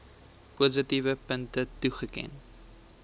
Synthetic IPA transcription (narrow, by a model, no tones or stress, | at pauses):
puːzətivəpəntətuχəkɛ̰n